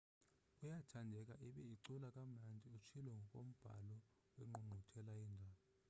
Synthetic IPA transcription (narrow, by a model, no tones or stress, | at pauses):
ujatʰandʱɛk̬ʼaʔiɓɛiǀulakʼamand͡zʱiut͡ʃʰilɛŋɡʱɔkʼom̩b̥ʱa̰lɔ | wɛŋ͡ǃuŋ͡ǃʱutʰɛlaiːndʱaːɓɔ